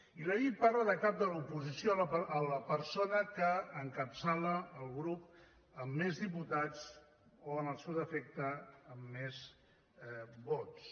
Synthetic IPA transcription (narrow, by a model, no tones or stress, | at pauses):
iləʎit̪̚parləðəkap̚d̪əlupuzisjoələpəɾsonəkəːŋkəpsaləːlˠɣɾup̚ | əmːezðiput̪at͡s | oənəlˠsɛwd̪əfɛk̚t̪əːmːez | bot̪s